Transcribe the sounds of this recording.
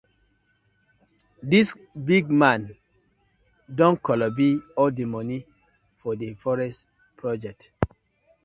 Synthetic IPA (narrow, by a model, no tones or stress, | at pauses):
dis | biɡ̚mãn | dɔ̃nkɔlɔbiɔldemɔni | fɔdefɔɹɛst | pʰɹɔd͡ʒɛk̚t